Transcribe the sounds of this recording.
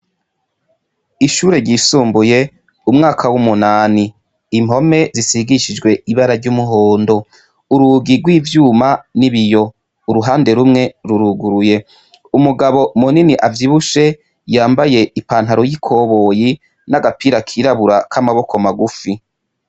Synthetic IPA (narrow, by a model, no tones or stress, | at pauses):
iʃuːɾe̞ɾɟisuːmbuje̞ | umŋaːkʰawumunaːni | imo̞me̞zisiɡiʃid͡ʒɡwe̞iβaɾaɾɟumuɦoːndo̞ | uɾuɡiɡwiːvjuːmaniβijo̞ | uɾuɦaːnde̞ɾumŋe̞ɾuɾuɡuɾuje̞ | umuɡaβo̞muniniʔavjiβuʃe̞ | jaːmbaje̞ipaːnhaɾojikʰo̞ːβo̞ːji | naɡapiːɾakʰiɾaβuɾakʰamaβo̞kʰo̞maɡufi